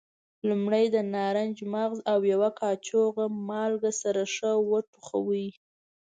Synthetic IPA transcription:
lumɽajd̪ənɑɾand͡ʒmaɣzawjawakʰɑt͡ʃoɣamɑlɡasaɾaʂəwəʈuxa̰wi

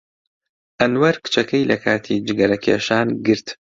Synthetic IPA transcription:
ʔɐnwɐɾkɨ̥t͡ʃɐkɐjlɐkʰaːt̪ʰiːd͡ʒɨɡɐlɐkʰḛːʃaːnɡɨɾt̪

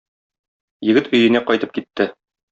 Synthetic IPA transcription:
jɘ̆ɡɘt̪ɵ̆jɘ̆næqɒjt̪ɤp̚kit̪ːɘ

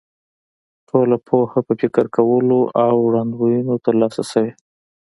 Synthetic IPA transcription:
ʈʰolapʰohapəfɪkəɾkawəloʔawɽɑnd̪wojunot̪əɾlɑsasəwe

